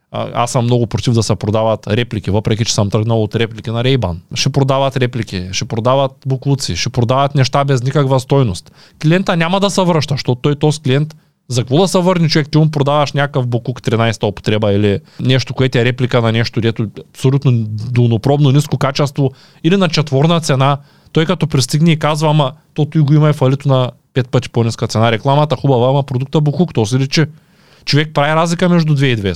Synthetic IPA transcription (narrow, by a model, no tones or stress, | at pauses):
a̰sːəmːnɔɡʊpɾot̪ivd̪ɐsɛpɾod̪avat̪ɾɛplʲikʲivəpɾɛkʲit͡ʃɛ̥səmt̪əɡnɐlˠot̪ɾɛplʲikʲinaɾɛjba̰nʃɛpɾod̪avat̪ɾɛplikʲiʃɛpɾod̪avat̪̚boklˠut̪siʃɛpɾod̪avat̪nɛʃt̪abɛznikakvast̪ɔjnost̪ | kliɛnt̪anʲamɐd̪ɐsɛvɾəʃt̪ɐʃt̪ot̪ojt̪oskliɛnt̪ | zɐkvod̪ɐsɛvəɾnʲit͡ʃovɛkt̪iɡumpɾod̪avɐʃnʲakkəfbokukt̪ɾinajst̪ɐopo̥t̪ɾɛbɐilinɛʃt̪okoɛt̪ɛɾɛplikananɛʃt̪oid̪ɛt̪oapsolʲut̪nod̪onopɾɔbnoniskokat͡ʃɛst̪vo | ilinat͡ʃɛt̪vɔɾnat̪sɛna | t̪ɔjkat̪ɔpɾist̪iɡnɛikazvamat̪ot̪ujɡoimɐifɐlit̪onapɛt̪̚pət̪i̥poniskat̪sɛnaɾɛklˠamat̪ɐxubɐvaimɐpɾod̪uk̚t̪ɐbokukt̪ɔs̬iɾit͡ʃɛ | t͡ʃovɛk̚pɾaviɾazlikɐmɛʒd̪ud̪vɛid̪vɛ